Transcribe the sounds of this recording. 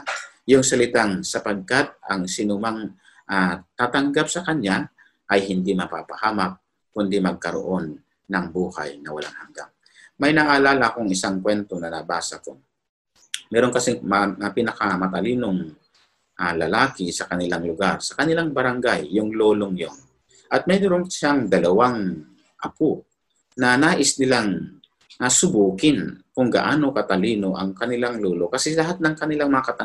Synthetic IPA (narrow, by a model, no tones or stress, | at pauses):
jʊŋsɐlɪt̪aŋsɐpɐɡ̚kat̪̚ɐŋsɪnʊmaŋ | ʔat̪aːt̪ɐŋɡap̚sɐkɐɲa | ʔɐjhɪnd̪imɐpa̰ːpɐhaːmɐk̚ | kʊnd̪imɐɡ̚kɐɾo̰ʔo̞nː | ɐŋbuːhɐ̰jnɐwɐ̰laŋhɐŋɡa̰ŋ | mɐjnaʔalaːlɐkoŋɪsaŋkwɛnt̪onɐnɐbaːsɐko | mɛːɾo̞ŋkɐsɛŋmpinɐkɐmɐt̪ɐliːnoŋ | ʔalɐlaːkɪsɐkɐnɪlaŋlʊɡaɾsɐ̥kɐnɪlaŋbɐɾaŋɡajːʊŋloːloŋjoŋ | ʔɐt̪̚mɛdoɾoŋʃaŋd̪ɐlɐwaŋ | ʔɐpo | nɐnaːʔɪsnɪlaŋ | nasʊbuːkɪnkʊŋɡa̰ʔaːno̞kɐt̪ɐliːnoʔɐŋkɐnɪlaŋloːlokɐsɛlɐɦat̪̚nɐŋkɐnɪlaŋmɐŋaɐkɐt̪ɐ